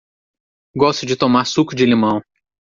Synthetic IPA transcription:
ɡɔst̪ʊd͡ʒɪt̪omaɾsukʊd͡ʒɪlimɐ̃w̃

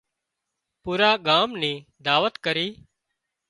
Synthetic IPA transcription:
puːɾaːɠaːmnĩːd̪aːʋət̪kəɾiː

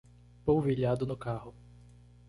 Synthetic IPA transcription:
powviʎad̪ʊnʊkahʊ

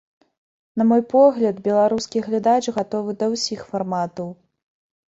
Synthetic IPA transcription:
nɐmɔjpɔɣlʲɐd̪bʲɛlˠaɾuskʲiɣlʲad̪at͡ʂɣat̪ɔvɨd̪ɐwsʲixfarmat̪ɐw

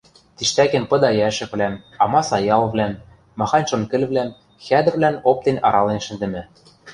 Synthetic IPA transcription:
t̪iʃt̪ækĕnpɤ̆d̪ɑjæʃɘ̆kβlæmɑmɑsɑjɑlβlæmː | ɑxɑnʲʃonkɘ̆lβlæm | xæd̪ɘ̆rβlænop̚t̪enɑɾɑlenʃɘ̆nd̪ɘ̆mɘ̆

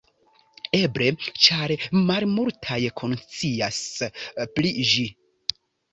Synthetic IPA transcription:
e̞bɾe̞t͡ʃaɾmalmultʰajkʰont͡sias | plid͡ʒi

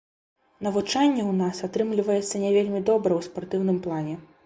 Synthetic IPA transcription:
nɐvut͡ʂanʲːɛwnasat̪ɾɨmlʲivɐjɛt̪sːɐnʲɛvʲelʲmʲid̪ɔbɾɐwspart̪ɨwn̪ɨmplˠanʲɛ

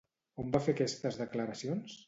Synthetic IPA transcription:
ombafekɛst̪əzðəkləɾəsions

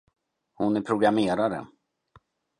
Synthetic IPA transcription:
hʊnæɾpʰɾʊɡɾameːɾaɾə̰

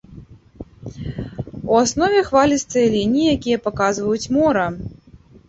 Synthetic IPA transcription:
uasnɔvʲɛxvalʲɐst̪ːɐjɐlʲinʲijijakʲijɐpakazvɐjut͡sʲmɔɾɐ

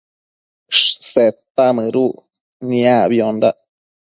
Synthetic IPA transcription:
ʂset̪ːamɨɾu | niabjonda

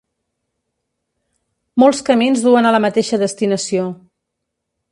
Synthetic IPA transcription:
molˠskəminzðuənələmət̪eʃəðəst̪inəsio

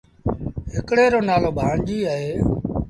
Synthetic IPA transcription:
ɦɪkɽeːɾoːnaːloːbʱaːɳd͡ʒiːəɦeː

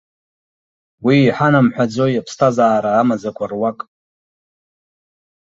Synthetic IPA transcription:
wiːħanamħʷᶣad͡zojapʰstʰazaːɾaːmad͡zakʷʰarwakʼ

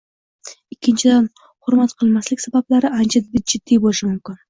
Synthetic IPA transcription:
ɪkʲːɪnt͡ʃʰɪd̪an | hʊɾmat̪qʰɨlˠmaslɪkʲsabablaɾɪʔant͡ʃʰad̪bɪt̪̚d͡ʒɪd̪̥ːijbolɪʃɪmʊmkʲɪn

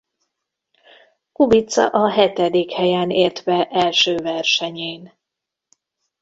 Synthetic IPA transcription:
kubit̪sɒ̰ʔɒɦɛt̪ɛd̪ikhɛjɛːneːrt̪vɛʔɛlʃøːvɛrʃɛɲeːn

